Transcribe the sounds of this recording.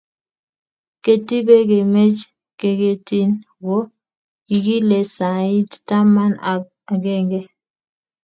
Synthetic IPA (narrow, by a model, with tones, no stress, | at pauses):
ke˦ti˦be˦ke˨me˦t͡ʃ | ke˨ke˨ti˦n | wo˦ | ki˨ɡi˦le˨sa˨i˦tta˦ma˦na˨ | a˨ɡe˦ŋɡe˦